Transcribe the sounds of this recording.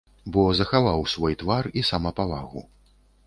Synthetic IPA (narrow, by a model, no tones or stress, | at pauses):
bɔzɐxavawsvɔjt̪varisamɐpavaɣṵ